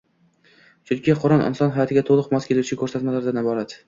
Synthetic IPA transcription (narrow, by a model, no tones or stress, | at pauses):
t͡ʃʰʊŋkʲʰɪqʰʊɾɒnʔɪ̰nsɒnɦajɒt̪ʰɪɡʲat̪ʰolˠɨqmɒskʲʰe̞lut͡ʃʰɪkʰɵɾsat̪malaɾd̪anɪbɒɾat̪